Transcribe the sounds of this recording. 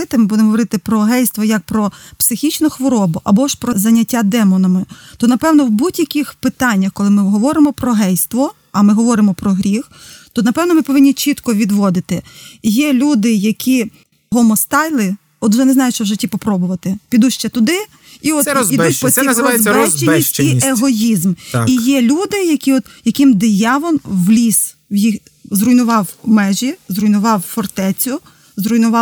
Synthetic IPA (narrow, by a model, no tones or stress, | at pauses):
ɪt̪ɪmɪbud̪emɦɔʋɔɾɪt̪ɪpɾɔɦɛjst̪ʋɔjɐk̚pɾɔpsɪxʲit͡ʃnʊxʋɔɾɔbʊʔɐbɔʃpɾɔzɐnʲːɐtʲːad̪ɛmɔnɐmɪt̪ɔnɐpɛwnɔwbudʲjɐkʲixpɪt̪ɑnʲːɐxkɔlˠɪmɪɦɔʋɔɾɪmɔpɾɔɦɛjst̪ʋɔ | ɐmɪɦɔʋɔɾɪmɔpɾɔɦɾʲixt̪ɔnɐpɛwnɔmɪpɔʋɪnʲːit͡ʃit̪kɔʋʲid̪ʋɔd̪ɪt̪ɪjɛlʲud̪ɪjɐkʲi | ɦɔmɔst̪ɑjlˠɪ | ɔd̪ʒɛnɛznɑjʊt͡ʃɔwʒɪtʲːipɔpɾɔbʊʋɐt̪ɪpʲid̪uʃt͡ʃɛt̪ʊd̪ɪ | iɔt̪idutʲpɔsʲizɔzbɛt͡ʃiieɦɔjizmijɛlʲud̪ɪjɐkʲiɔt̪jɐkʲɪmd̪ɪjɑʋɔnʋlʲis | wjix | zrʊjnʊʋɑwmɛʒʲizrʊjnʊʋɑwfɔrt̪ɛt͡sʲʊ | zɾʊjnʊʋɑ